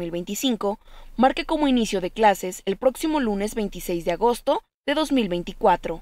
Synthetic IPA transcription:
ilβe̞jnt̪isiŋko̞maɾkeko̞mo̞inisjo̞ðe̞klase̞selpɾo̞ksimo̞lune̞zβe̞jnt̪isejzðeaɣo̞st̪o̞ | ðe̞ðo̞zmilβejnt̪ikwat̪ɾo̞

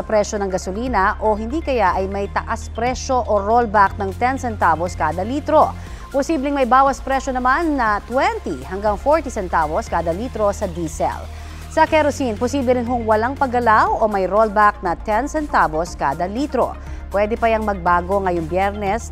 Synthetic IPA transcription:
ɐpɾɛʃonɐŋɡɐsʊliːnɐʔoɦɪnd̪iːkɐjaʔɐjmɐjt̪ɐʔaspɾɛʃo̞ʔoɾolbak̚nɐŋt̪ɛnsɛnt̪aboskaːd̪ɐliːt̪ɾo̞ | posiːblɪŋmɐjbaːwɐspɾɛʃonɐmanːɐt̪wɛnt̪ihɐŋɡaŋfoɹt̪isɛnt̪aːboskaːd̪ɐliːt̪ɾo̞sɐd̪iːsɛ̰l | sɐkɛɾosinposiːblɛɾɪnɦoŋwɐlaŋpɐɡɐlawomɐjɾolbak̚nɐt̪ɛnsɛnt̪aːbo̞skaːd̪ɐliːt̪ɾo̰ | pwɛːd̪ɛpɐjɐŋmɐɡ̚baːɡo̞ŋɐjoŋbjɛɾnɛs

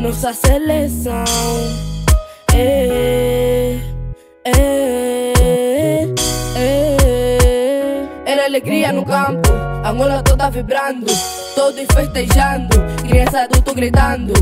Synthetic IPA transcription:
nɔsɐselesɐw̃ | ɛ | ɛ | ɛ | ɛɾaleɡɾiɐnʊkãmpʊaŋɔlat̪od̪avibɾãnd̪ʊ | t̪od̪ʊĩfeʃt̪eʒãnd̪ʊkɾɾĩãsat̪ot̪oɡɾit̪ãnd̪ʊ

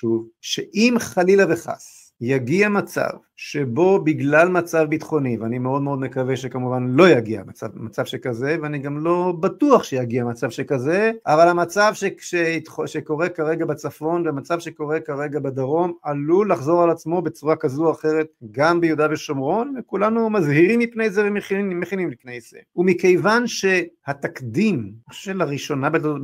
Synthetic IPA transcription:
ʃuvʃeʔimχalilaveχa̰s | jaɡiamat͡sa̰v | ʃe̞bo̞biɡlalmat͡savbit̪χo̞niveanimeo̞d̪meo̞d̪me̞kaveʃekamuvanlo̞jaɡia̰mat͡sa̰vmat͡savʃekaze̞veaniɡamlo̞bat̪uaχʃejaɡiamat͡savʃekaze̞avalhamat͡savʃeʃeitχʃeko̞ʁe̞kaʁe̞ɡabet͡safo̞nveamat͡savʃeko̞ʁe̞kaʁe̞ɡabed̪aʁo̞malulaχzo̞ʁalat͡smo̞bet͡suʁakazuaχe̞ʁe̞t̪̚ɡambejud̪aveʃomʁo̞nvekulanumazhiʁimːipnejzevemeχimeχinimlifnejzḛumike̞jvanʃe̞hat̪akd̪imniχo̥ʃuʃelaʁiʃo̞nabet

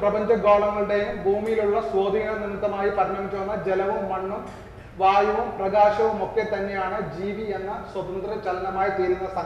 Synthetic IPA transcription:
prɐbɐɲd͡ʑɐɡoːɭɐŋːɐɭɨɽejumbʱuːmijiluɭːɐswo̞ːd̪ʱiŋːɐɭninːɐt̪ːɐmaːjipɐɾɐnɐmikːuɐnːɐd͡ʑelɐʋumːɐɳːum | ʋaːjɐʋumprɐɡaːɕɐʋumo̞kːe̞t̪ɐnːe̞jaːɳɨd͡ʑiːʋie̞nːɐswɐt̪ɐnd̪ɾɐt͡ɕɐlɐnɐmaːjit̪eːɾunːɐsɐ

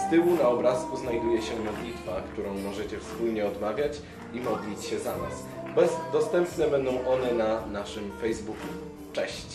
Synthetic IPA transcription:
st̪ɘwunaɔbɾaskuznajd̪ujɛɕɛmɔd̪lʲit̪fakt̪uɾɔ̃w̃mɔʐɛt͡ɕɛfspulɲɛɔd̪mavʲjat͡ɕ | imɔd̪lʲit͡ɕɕɛzana̰s | bd̪ɔst̪ɛmpnɛbɛnd̪ɔ̃w̃ʔɔnɛnanaʂɘmfɛjzbuku | t͡ʂɛɕt͡ɕ

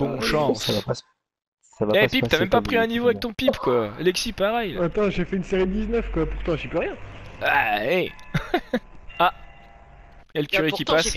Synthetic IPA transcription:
bɔ̃ʃɑ̃savapas | savajɛpit̪yamɛmpapχiɛ̃nivoavɛk̚t̪ɔ̃pipkwaalɛksipaʁɛjat̪ɑ̃ʒefɛynseʁid̪iznœfkwapuʁt̪ɑ̃ʒipyʁjɛ̃aɛ | a | jaləkʲyʁekʲipas

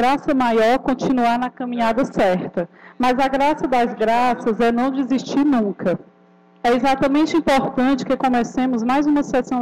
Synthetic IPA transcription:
ɾasɐmajɔɾkõt͡ʃĩnuanɐkɐ̃mĩɲad̪ɐsɛɾt̪ɐmɐzɐɡɾasɐd̪ɐzɡɾasɐzɛnɐ̃w̃d͡ʒiziʃt͡ʃiɾnũkɐ | ɛezat̪ɐmẽnt͡ʃɪĩpoɾt̪ɐ̃t͡ʃɪ̥kɪkõmɛsẽmʊzmajzũmɐsɛsɐ̃w̃

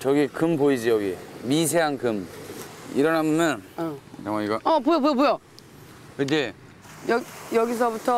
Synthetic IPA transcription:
t͡ɕʌɡikɯmpoid͡ʑijʌɡimis̬ʰeɦaŋkɯm | ḭɾʌnɦamʌmjʌnaŋaiɡʌʌpojobojopojo | kɯde | jʌjʌɡis̬ʰʌbutʰʌ

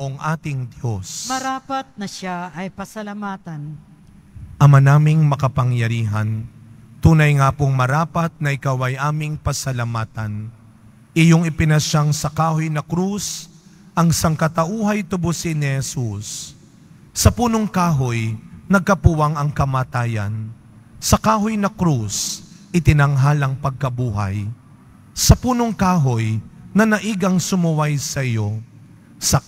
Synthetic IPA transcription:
ʔoŋʔaːt̪ɪŋd̪josmɐɾaːpɐt̪̚nɐʃaɐjpɐsɐlɐmaːt̪ɐn | ʔɐmanaːmɪŋmɐkɐpɐŋjɐɾiːɦɐ̰n | t̪uːnɐjŋaːpoŋmɐɾaːpɐt̪̚nɐʔɪkawɐjʔaːmɪŋpɐsɐlamaːt̪ɐn | ʔɪjoŋɪpɪnɐʃaŋsɐkaːhojnɐkɾus | ʔɐŋsɐŋkɐt̪ɐʔuːɦɐjt̪ʊbʊsɪnɪhɛsusː | ɐpuːno̞ŋkaːɦojnɐɡ̚kɐpuwɐŋɐŋkɐmaːt̪aːjɐ̰n | sɐkaːɦojnɐkɾusʔɪt̪ɪnɐŋɦalɐŋpɐɡ̚kɐbuːɦɐ̰j | sɐpuːno̞ŋkaːɦojnɐnɐʔiɡɐŋsʊmʊwajsɐʔɪjo̞ | sɐ

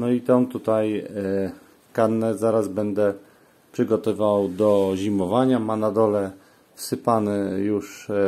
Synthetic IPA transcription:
nɔit̪ɔnt̪ut̪aj | kanːɛzaɾazbɛnd̪ɛ | pʂɘɡɔt̪ɔvawd̪ɔʑimɔvaɲamanad̪ɔlɛ | fsɘpanɛjuʂ

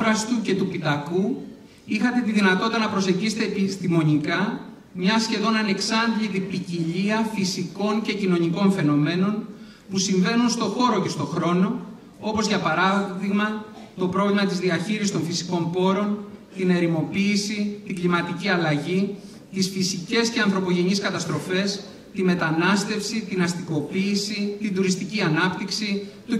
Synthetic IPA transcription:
ɾɐst̪uce̞t̪upit̪ɐku | ixɐt̪e̞t̪iðinɐt̪o̞t̪it̪ɐnɐpɾo̞se̞ɟisi̥t̪epist̪imo̞ɲikɐ | mɲɐsçe̞ðo̞nɐne̞ksɐnd̪ʎit̪ipiciʎiɐfisiko̞ɲce̞cino̞ɲiko̞ɱfe̞no̞me̞no̞n | pusiɱve̞nunst̪o̞xo̞ɾo̞ce̞st̪o̞xɾo̞no̞ | o̞po̞zʝɐpɐɾɐðiɣmɐ | t̪o̞pɾo̞vlimɐt̪izðiɐçiɾisist̪o̞ɱfisi̥ko̞mpo̞ɾo̞nt̪ine̞ɾimo̞piːsit̪iŋɡlimɐt̪iciɐlɐʝi | t̪isfisice̞sce̞ɐnθɾo̞po̞ʝe̞ɲiskɐt̪ɐst̪ɾo̞fe̞s | t̪ime̞t̪ɐnɐst̪e̞fsit̪inɐst̪iko̞piːsit̪ind̪uɾist̪iciɐnɐpt̪iksit̪u

